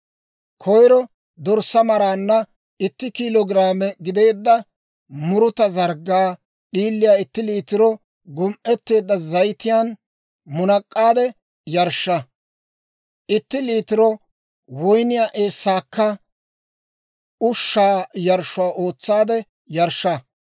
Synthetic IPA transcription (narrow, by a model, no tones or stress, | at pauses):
kʰɔjɾɔ | d̪ɔɾsːɐmɐɾaːnːɐ | ɪt̪ːɪkilɔɡɾaːmɛɡɪd̪e̞ːd̪ːɐ | mʊɾʊt̪ɐzɐɾɡaː | ɗiːlːɪjaːɪt̪ːɪliːt̪ɪɾɔ | ɡʊmʔɛt̪ːe̞ːd̪ːɐzɐjt̪ɪjaːn | mʊnɐkʼːaːd̪ɛ | jɐɾʃːɐ | ʔɪt̪ːɪliːt̪ɪɾɔ | wɔjnɪjaːʔe̞ːsːaːkːɐ | ʊʃːaːjɐɾʃʊaːʔo̞ːt͡sːaːd̪ɛ | jɐɾʃːɐ